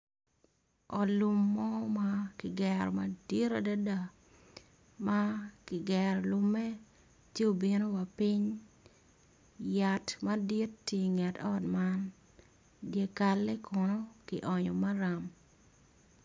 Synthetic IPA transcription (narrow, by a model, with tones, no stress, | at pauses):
ɔ˨lu˨mːɔ˦ma˦kɪ˨ɡɛɾɔ˨madi˦ɾa˨da˦da˨ | ma˦kɪ˨ɡɛɾlʊ˦mɛ˦ | tje˦o˨bi˨no˦wa˨pɪ˦ɲ | ja˨tma˦di˦ttːi˨ŋɛ˨tɔ˦tma˦n | dje˨ka˨lːe˦kɔ˨nɔ˦kɪ˨ʔɔ˨ɲɔ˨ma˦ɾa˨m